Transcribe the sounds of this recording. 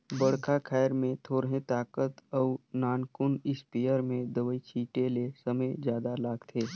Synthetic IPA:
bəɽkʰakʰɛːɾmẽt̪ʰoːɾɦẽt̪aːkət̪ɔʊnaːnkʊnɪspiːjəɾmẽd̪əʋəit͡ʃʰiːʈelesəməjd͡ʒjaːd̪alaːɡt̪ʰeː

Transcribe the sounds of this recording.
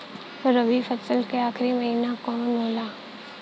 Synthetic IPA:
ɔɾɐbifɐsəlkeaːxɾimɐɦiːnakɔːnɦoːlaː

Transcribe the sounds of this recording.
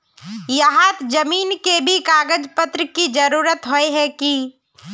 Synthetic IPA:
jəɦat̪d͡ʒəmiːnkebʱikaːɡəd͡ʒpət̪ɾəkid͡ʒəɾuːɾət̪ɦoeɦɛki

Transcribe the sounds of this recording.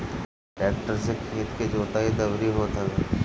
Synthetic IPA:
ʈɛːk̚ʈəɾsekʰeːt̪ked͡ʒoːt̪aɦid̪ɐʋɾiɦoːt̪ɐl

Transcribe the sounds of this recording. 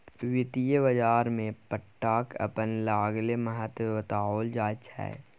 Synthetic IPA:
wɪt̪ijəbəd͡ʒaːɾmẽpəʈːaːkə̰pənlaːɡleməɦət̪əʋət̪aːoːld͡ʒaːt͡ʃʰɛ̰ː

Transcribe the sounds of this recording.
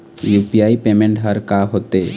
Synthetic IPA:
jupiaipemeɳʈɦaɾkaɦot̪e

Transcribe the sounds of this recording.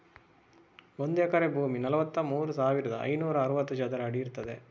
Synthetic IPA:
ond̪eːkɐɾebʱuːminɐlɐʋɐt̪ːɐmuːɾusaːʋiɾɐd̪ɐ̰ʔɐ̰jnuːɾɐːɾuʋɐt̪ːɐd͡ʒaːd̪ɐɾɐːɽijiɾt̪ːɐd̪e̞

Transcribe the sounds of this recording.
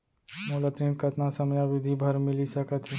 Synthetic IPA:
moːlət̪ɾĩnkət̪nasɐmjaʋɪd̪ʱibʱɐɾmɪlisɐkət̪ʰ

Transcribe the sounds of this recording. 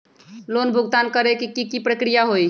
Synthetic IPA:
lonbʱʊɡt̪ankəɾekikikipɾəkɾijaɦoj

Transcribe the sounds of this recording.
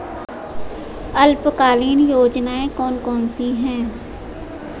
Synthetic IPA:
ɐlpkaːliːnjoːd͡ʒnaːẽkɔːnkɔːnsiɦɛ̃ː

